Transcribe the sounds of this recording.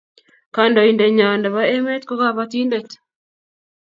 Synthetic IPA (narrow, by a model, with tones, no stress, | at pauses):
ka˨ndo˨i˨nde˨ɲa˨nda˨βa˦e˦me˦t̪ko˦ka˦βa˦t̪i˦nde˦t